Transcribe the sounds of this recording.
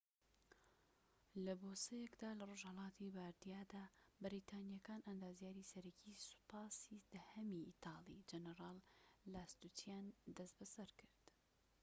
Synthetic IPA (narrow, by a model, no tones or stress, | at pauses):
lɐboːsɐjɛkd̪aːlɐroʒhɐlˠɑːt̪ʰibaːɾd̪ijaːd̪aːbɨɾit̪ʰaːnijɐkaːnɐnd̪aːzjaːɾisɐɾɐcʰisu̥pɑːsid̪̥ɐhɐmiʔit̪ʰɑːlid͡ʒɐnəɾɑːlːaːst̪ut̪ʰjand̪ɐst̪bɐsɐɾkʰɨɾd̪̥